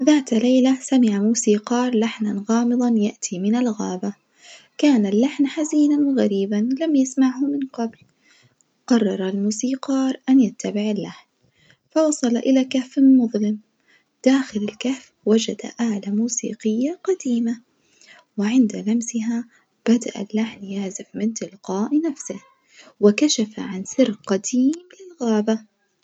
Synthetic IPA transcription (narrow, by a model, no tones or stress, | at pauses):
ðaːt̪lajlasamɪʕamuːsiːqɑːɾˤlaħnanɣɑːmɨðˤɑnjaʔt̪ʰimɪnalɣaːba | kaːnalːaħnħaziːnanɣaɾiːbanlamjasmaʕhʊmɪnqɑbl | qɑrˤːɑɾˤalmuːsiːqɑːɾˤʔanjat̪ːabɪʕalːaħn | fɑwɑsˤɑlʔɪlakafːmʊðˤlɪm | d̪̥aːxɪlɪlkaf | wad͡ʒad̪a̰ʔaʕlamuːsḭːqɪjːaqɑd̪iːma | wɪʕɪnd̪alamsɪɦa | b̥ad̪a̰ʔa̰lːaħnjaʕzɪfmɪnt̪ɪlqɑːʔnafsɪh | wɪkaʃafa̰ʕansɪrqad̪iːmlɪlɣaːba